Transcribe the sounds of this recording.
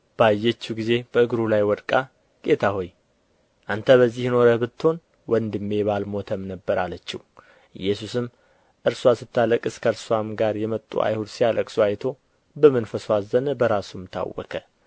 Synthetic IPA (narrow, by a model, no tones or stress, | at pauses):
b̥əajːɛt͡ʃːuɡize̞b̥əɨɡɾulajwɔd̪kʼa | ɡʼe̞t̪ʰaɦo̞j | ʔant̪ʰəβəzːihno̞ɾəbɨt̪ːo̞n | wɔnd̪ɨmːe̞βalmo̞t̪ʰəmnəbːəɾalət͡ʃːɪh | ʔɨ̰jːɛsusɨm | ʔɨɾswasɨt̪ʰːaləkʼɨskʰəɾsuamɡaɾjɛmət̪ʼːṵʔa̰jhud̪sijaləkʼsuajt̪ʰo̞ | bəmɨnfəswazənəbəɾasumt̪ʰa̰wːɔ̰kʰʼə